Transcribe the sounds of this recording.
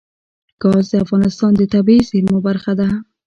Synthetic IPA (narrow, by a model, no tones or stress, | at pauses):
ɡ̥ɑzd̪eafɣɑnɪst̪ɑnd̪ɪt̪abizeɾmʊbaɾxad̪a